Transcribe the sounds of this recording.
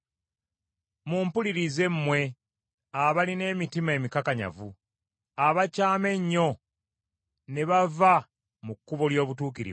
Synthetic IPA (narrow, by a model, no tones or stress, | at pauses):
mumpuliɾize̞mːwe̞ | aβaline̞ːmitimae̞ːmikakaɲa̰vu | aβacaːme̞ɲːo̞ | ne̞βava | mukːuβoljo̞ːβutuːkiɾḭ